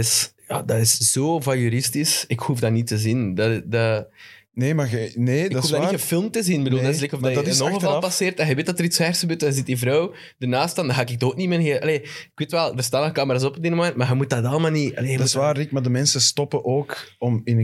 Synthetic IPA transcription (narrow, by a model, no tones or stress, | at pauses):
ɪsja̰ːdɑɪsz̥oːvɑjyɾɪstisɪkhufdanitəzindada | neːmaneːksuvdaniəfɪlˠmtəzinbəduːlˠdɑɪslekɔvjɔɣəvɑlˠpɑseːrtɛnɣɛʋeːt̚dɑtəɾitsɛːrsxəbøːrtɛnɣəzɪt̚divɾɔw | dənaːstɑndɑɦaːɪkɪɡ̚tok̚nimenɦeʔɑ̰leːɪkweːtʋɛlˠdərstaːnɔkaːməɾaːzɔpɔbdɪnmomɛntmaɣəmutdɑdɑlˠəmaːlˠniʔɑ̰leːɣədusʋaːrdɪkmadəmɛnsəstɔpəʔoːkɔmɪnə